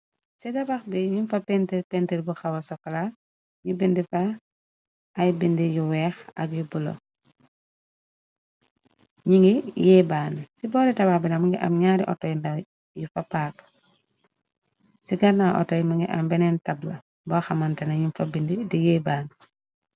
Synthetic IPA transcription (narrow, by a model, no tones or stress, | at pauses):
sidɐbaxdiɲinfɐpentiɾpentiɾbuxɐwɐsɔkːɐla | ɲibindifa | jbindijuwɛːxɐ̰kjubulɔ̰ | ɲiŋɡijɛbaːnsibɔːɾitɐbaxbinamuŋɡiʔa̰mɲaːɾiʔɔ̰tɔjndɐ | jufapaːk | siɡɐɾnaʔɔ̰tːɔjmuŋɡḭʔɐ̰mbɛnɛntɐblɐ | bɔxɐmantɐnɐɲinfabindidijɛːbaːn